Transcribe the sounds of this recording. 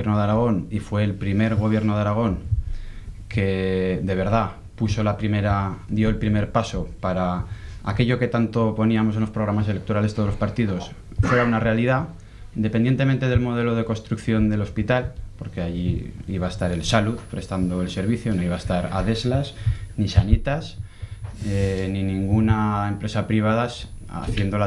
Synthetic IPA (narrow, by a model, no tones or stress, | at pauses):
jeɾnoðeaɾaɣ̞o̞nifwe̞ːlpɾime̞ɾɣ̞o̞β̞je̞ɾno̞ðaɾaɣ̞o̞ŋ | kʰe̞d̪e̞β̞e̞ɾð̞a | puso̞lapɾime̞ɾad̪joelpɾime̞ɾpaso̞paɾa | a̰ke̞ʎo̞ke̞t̪ant̪o̞po̞niamo̞se̞nlospɾo̞ɣɾamasele̞k̚t̪o̞ɾalet̪olo̞spaɾt̪iðo̞s | fweɾaunare̞alið̞a | nd̪epe̞nd̪je̞nt̪e̞mẽnt̪e̞ð̞e̞lmo̞ð̞e̞lo̞ð̞e̞ko̞nst̪ɾukθjo̞nd̪e̞lo̞spit̪alpo̞ɾke̞aʝiiβaest̪aɾe̞lsaluðpɾe̞st̪and̪o̞e̞lse̞ɾβiθjo̞no̞iβaest̪aɾa̰ðe̞zlasnisanit̪as | enĩnĩŋɡunae̞mpɾe̞sapɾiβ̞aðasa̰θje̞nd̪ol